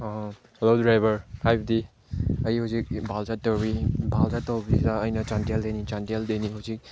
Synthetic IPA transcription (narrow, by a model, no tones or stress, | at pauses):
helodɾajbɐɾkʰajp̚di | ɐjihawzik̚bʱalzatɔwɾibʱalzatɔwbidaːjnɐt͡ʃantijaldejnit͡ʃantijaldejniɦawzik̚